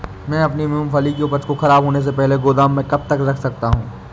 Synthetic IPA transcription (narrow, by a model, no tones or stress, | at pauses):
mɛ̃ːɐpnimjũːmfʰaːlikeʊpət̪koxɐɾaːbʱɦoːnes̬epɛɦleɡoːd̪aːmːɛ̃kɐb̚t̪ɐkɾɐkʰsɐk̚t̪aɦũː